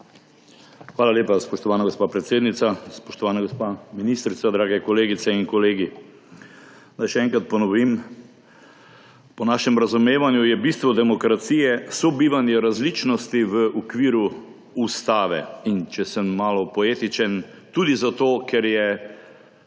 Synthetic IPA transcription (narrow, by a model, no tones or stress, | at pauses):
xʋaːlaleːpaspɔʃt̪ɔʋaːnaɡospaːpɾɛt̪seːd̪nit̪saspɔʃt̪ɔʋaːnaɡospaminist̪ɾisad̪ɾaːɡɛkɔleːɡit̪sɛinkɔleːɡi | najʃɛɛŋkɾat̪̚pɔnɔʋim | pɔnaːʃɛmɾazumeːʋanjujɛbist̪ʋɔd̪ɛmɔkɾat̪sijɛsɔbiːʋanjɛɾazlit͡ʃnɔst̪iʋəukʋiːɾu | ust̪aːʋɛ̰int͡ʃɛsəmmaːlɔpɔeːt̪it͡ʃɛn | t̪ud̪izat̪oːkʰɛɾjɛ